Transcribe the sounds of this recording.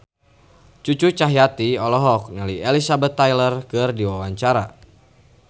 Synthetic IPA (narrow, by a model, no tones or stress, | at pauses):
t͡ʃut͡ʃut͡ʃaɦjat̪iɔlɔɦɔk̚naliɛlisabɛt̪ːajlərkɨrdiwawaɲt͡ʃaɾa̰